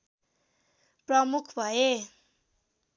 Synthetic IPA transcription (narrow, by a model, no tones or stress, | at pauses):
prʌmukʰbʱʌe